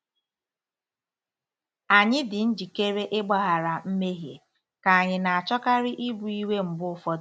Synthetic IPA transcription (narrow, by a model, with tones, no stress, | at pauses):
a˨ɲɪ˦dɪ˨n̩˦d͡ʒi˨ke˦ɾe˦ʔɪ˦ɡ͡ba˦ɦa˨ɾa˨m̩˦me˦ɦje˨ | ka˨a˨ɲɪ˨na˨a˨t͡ʃɔ˦ka˦ɾɪ˦ʔi˦bu˨i˦we˦m̩˨bʊ˦fɔ˦